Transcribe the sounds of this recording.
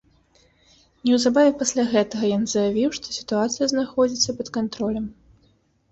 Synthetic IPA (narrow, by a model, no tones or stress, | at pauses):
nʲɛwzabavʲɛpasʲlʲaɣɛt̪ɐɣɐjanzɐjavʲiwʂt̪ɔsʲi̥t̪uat̪sɨjɐznaxɔd͡zʲit̪sːɐpɐt̪kant̪ɾɔlʲɐm